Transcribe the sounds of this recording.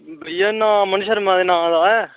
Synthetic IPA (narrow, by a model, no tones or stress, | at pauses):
bɾijɐnːãːmɐnɯʃɐɾmaðnãːðaː